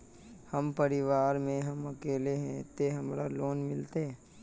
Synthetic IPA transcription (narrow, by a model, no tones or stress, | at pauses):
hɐmpəɾɪʋaːɾmẽɦɐmɐkeːleɦɛ̃t̪eɦɐmɾaloːnmɪlt̪eɦɛ̃ː